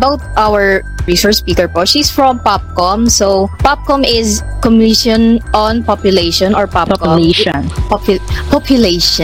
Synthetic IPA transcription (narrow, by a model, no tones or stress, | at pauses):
bawt̪̚ʔawəɹ | ɹisəɹt͡ʃspiːkɛɹpoʃisfɹɔ̃mpap̚kɔmsopap̚kɔ̃mɪskɔmiʃɔ̃nʔɔ̃npɔpjʊleɪʃɔ̃nɔɹpapkleʃn | pɔpjʊleʃɔ̃